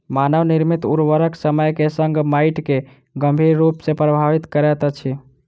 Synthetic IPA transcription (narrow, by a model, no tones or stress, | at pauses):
manəʋniɾmit̪uɾʋəɾəksəməjkesəŋɡmaiʈke | ɡəmbʱiɾːupsẽpɾəbʱaʋit̪kəɾɛt̪ət͡ʃʰi